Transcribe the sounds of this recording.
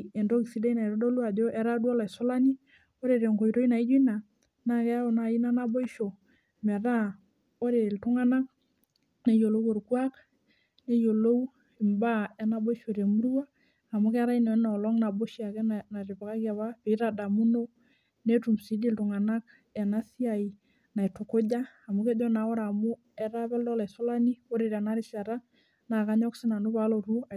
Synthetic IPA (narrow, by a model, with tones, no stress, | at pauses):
e˨ndo˦ki˨si˦de˦ina˨i˨ɾo˦do˦lu˦a˨do˦ʔɛ˦ɾa˦du˦ɔ˦la˨i˨sɔ˦la˦ni˦ | o˦ɾe˨ɾe˨ŋko˨iɾo˦i˦na˨i˦d͡ʒu˦na˨ | na˨kɛ˦o˨na˨i˦na˦na˦bo˦i˦ʃo˨ | mɛ˨ɾa˦ | o˦ɾe˨ltu˦ŋa˦na˦k̚ | ne˦jo˨lo˦ko˨ɾkwa˦k | ne˦jo˨lo˦u | i˨mba˦ɛ˦na˦bo˦i˦ʃo˨ɾe˨mu˦ɾu˦waː˦˨ | mʊ˦kɛ˦ɾa˦inɔ˨ɛ˦na˨lɔ˦ŋna˨bo˦ʃia˨kɛ˦nna˨ɾɪ˨pa˨ka˦kja˨βa˦pe˨˦ɾa˨da˨mu˦no˦ | ne˦tu˨msi˨˦di˦ltʊ˨ŋa˨na˦k | ɛ˨na˦si˦a˨i | na˨jtʊ˨ko˦d͡ʒaː˦˨mʊ˦ke˦d͡ʒɔ˦na˨ɔ˦ɾa˨mʊ˦ | ɛ˦ɾa˦bɛ˦ldɔ˦la˨so˦la˦ni˦o˦ɾe˨ɾe˨na˦ɾɪ˦sa˨ɾa˦ | na˨ka˦ɲɔ˦ksɪ˦na˨nʊ˦ba˦lo˨ɾu˦a